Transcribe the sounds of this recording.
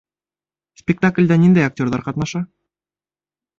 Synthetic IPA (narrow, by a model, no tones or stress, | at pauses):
spʲɪk̚t̪aklʲd̪ænind̪æjak̚tʲorðɑɾqɑt̪nɑʃɑ